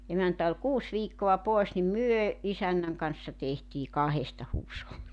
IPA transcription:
emæntæ ol kuːs ʋiːkːoɑ poˑes nim myø isænːæŋ kɑnsːɑ tehtiː kɑhestɑ huːsholːi

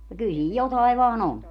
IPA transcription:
no kyl siːj jotɑiʋ ʋɑːn on

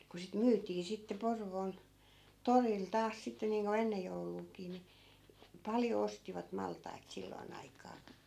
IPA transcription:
ku sit myːtˑiː sitːe porʋoːn toril tɑːs sitːe niːŋko enːej jouluːkiː ni pɑljo ostiʋɑt mɑltˑɑit silːoi̯n ɑikɑː

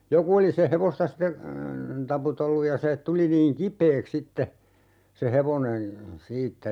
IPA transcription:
joku oli se heʋostɑ ste tɑputelːuj jɑ se tuli niːŋ kipˑeːks sitːe se heʋonen̞ siːtːæ

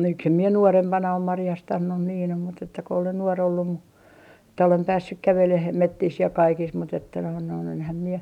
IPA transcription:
miksem mie nuorempɑnɑ om mɑrjɑstɑnːun niːn om mut etːæ ko olen nuor olːum mu etːæ olem pæːsːyk kæʋeleh metːis jɑ kɑikis mut etːæ noin noin enhæm mie

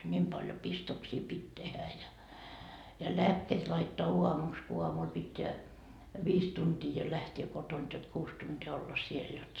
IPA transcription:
nʲiːm pɑljo pistoksiː pitʲ tehæ jɑ jɑ læːkːeːt lɑitːoɑ uɑmuks ku uɑmul pitʲːeæ ʋiːs tuntiː jo læhteː kotont jot kuːs tuntiː olːɑ siel jot

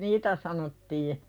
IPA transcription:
niːtæ sɑnotːiː

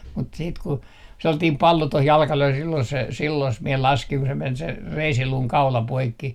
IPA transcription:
mut siːt ku selːɑtiːm pɑlːo toh jɑlkɑh løi silːon se silːos mie lɑskiŋ ku se men se reisiluːŋ kɑulɑ poikːi

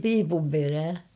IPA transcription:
piːpum peræː

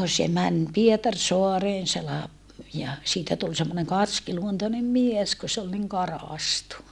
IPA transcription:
se mæn pietɑrsoɑreːn se lɑp jɑ siːtæ tul semːoneŋ kɑrskiluontonem mies ku se ol niŋ kɑrɑˑstu

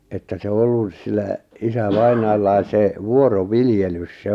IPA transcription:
etːæ se ŏ olːus silːæ isæʋɑinɑːlːɑis se ʋuoroʋiljelys se

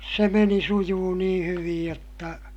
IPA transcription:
se meni sujuː nĩː hyʋij jotːɑ

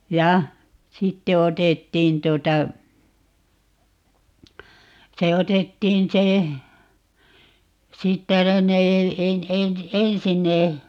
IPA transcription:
jɑ sitːe otetːiːn tuotɑ se otetːiːn se siːtːæ no ne e en ensin ne

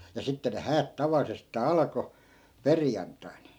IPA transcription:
jɑ sitːe ne hæːt tɑʋɑlːisestɑː ɑlko perjɑntːɑi̯n

